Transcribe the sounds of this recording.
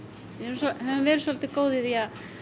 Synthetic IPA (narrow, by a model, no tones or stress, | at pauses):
ɪɛɾshɛvʏmvɛːɾɪ̥sɔlt̪ɪkoːwðɪðiað